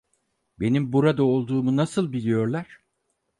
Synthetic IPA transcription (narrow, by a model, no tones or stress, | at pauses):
be̞nimbuɾad̪ao̞lˠd̪uːmunasɯlˠbilʲijo̞ɾlˠaɾ̥